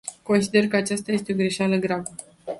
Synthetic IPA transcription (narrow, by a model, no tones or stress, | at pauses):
ko̞nsid̪e̞rkəat͡ʃast̪ajest̪e̞o̞ɡɾeʃaləɡɾabə